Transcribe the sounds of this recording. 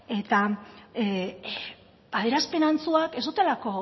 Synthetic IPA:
e̞t̪a | aðeɾaspe̞nant͡suake̞zd̪ut̪e̞lako̞

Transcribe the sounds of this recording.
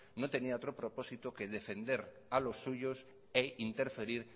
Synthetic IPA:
not̪e̞niaot̪ɾopɾopo̞sit̪okeðefe̞nd̪eɾ | alosːuʝos | eint̪eɾfe̞ɾiɾ

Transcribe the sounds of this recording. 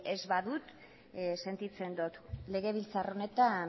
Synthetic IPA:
ezβaðut̪ | se̞nt̪it͡se̞nd̪ot̪le̞ɣe̞β̞ilt͡saro̞ne̞t̪a

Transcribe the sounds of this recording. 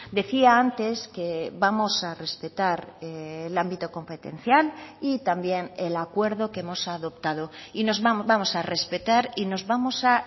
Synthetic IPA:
d̪e̞θiaant̪e̞ske̞βamo̞sare̞spe̞t̪aɾelambit̪oko̞mpe̞t̪e̞̰n̟θjalit̪ambje̞nelakwe̞ɾðokemo̞saðo̞pt̪að̞oinozβamo̞sare̞spe̞t̪aɾino̞zβamo̞sa

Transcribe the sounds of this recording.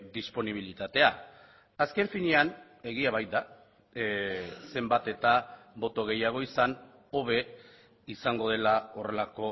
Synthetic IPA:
d̪ispo̞niβ̞ilit̪at̪e̞a | aske̞ɱfinean | e̞ɣ̞iaβ̞ajt̪̚d̪a | se̞mbat̪e̞t̪abo̞t̪o̞ɣ̞e̞jaɣ̞o̞isan | o̞βe̞ | isaŋɡo̞ð̞e̞lao̞re̞lako̞

